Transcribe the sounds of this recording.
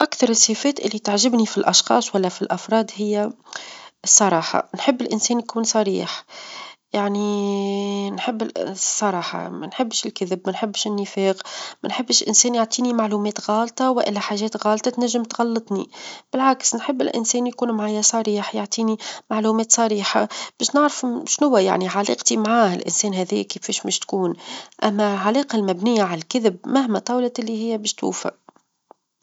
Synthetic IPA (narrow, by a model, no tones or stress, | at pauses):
ʔakθɑɾˤɨsˤːeːfɛːt̪ʔɪlːit̪aʕʒɪbnifilʔɑʃxɑ̰ːsˤwælːæfilʔɑfɾˤɑːd̪hɪjːæ | sˤːɑɾˤɑːħɑ̰nħɪbːɪlʔɪnsɛːnjkuːnsˤɑɾiːħ | jaʕni | nħɪbːsˤːɑɾˤɑːħɑ̰mænħɪbːʃɪlkɪðɪbmænħɪbːʃʔɪnːɪfɛːɣmænħɪbːʃlʔɪnsɛːnjɪʕt̪ˤiːnimaʕluːmɛːt̪ɣɑːlt̪ˤɑwɪʔɪlːæħaːʒɛːt̪ɣɑːlt̪ˤɑt̪næʒːɪmt̪ɣɑlːɨt̪ˤnḭb̥ɪlʕaksnħəbːɪ̰lʔɪ̰nsɛːnjkuːnmʕaːjæsˤɑɾiːħjaʕt̪ˤiːnimaʕluːmɛːt̪sˤɑɾiːħab̥ɛːʃnɪʕɾəfʃnʊwːæja̰ʕniʕalḭːqt̪imʕaːhɪ̰lʔɪ̰nsɛːnɦɛːðḭːkifiːʃmɛːʃt̪kuːnʔæmːælʕalɑːqɑlmæbnɪjːaʕalælkɪðɪb̚mæhmæt̪ˤɑːwlɑʔɪlːiɦɪjːæbɛːʃt̪ṵːfæ̰